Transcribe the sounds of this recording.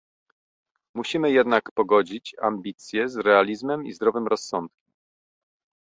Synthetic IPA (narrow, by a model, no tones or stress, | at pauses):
muɕimɘjɛd̪nakpɔɡɔd͡ʑit͡ɕa̰mbʲit̪sʲjɛzɾɛalʲizmɛmḭzd̪ɾɔvɘmɾɔsːɔnt̪̚kʲɛm